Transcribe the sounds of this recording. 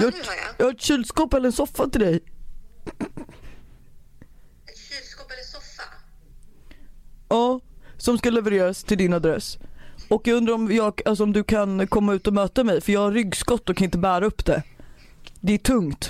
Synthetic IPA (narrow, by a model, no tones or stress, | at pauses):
jɑjɑːɡhaɾɛʈ̪ɕiːlskɔːpɛlːəɾɛnsɔfːat̪ʰɪld̪ɛj | ɑːsɔmskalɛvəɾeːɾast̪ʰɪld̪ɪnad̪ɾɛsːɔkːjɑɡɵnd̪ɾaɾɔmjɑːɡals̬ɔmd̪ɵkʰankʰɔmːaʉ̟ːt̪ɔmœːt̪amɛjfœjɑːɡhaɾːʏɡːskɔt̪ːɔkʰanɪnt̪əbæːɾaɵpːd̪ɛ | d̪ɛæʈʰɵŋt̪